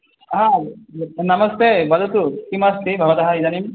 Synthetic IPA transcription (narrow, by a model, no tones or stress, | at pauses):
ɦã | namɔst̪ebad̪ut̪ukimast̪ʰibʱabat̪aɦaizanim